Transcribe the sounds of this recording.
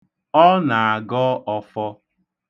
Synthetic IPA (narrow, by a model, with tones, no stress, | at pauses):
ɔ˦na˨a˨ɡɔ˦ʔɔ˨fɔ˦